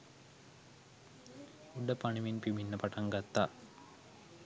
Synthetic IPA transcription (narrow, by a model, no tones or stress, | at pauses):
uɖːəpaɳiʋinpiminːəpaʈaŋɡat̪ːa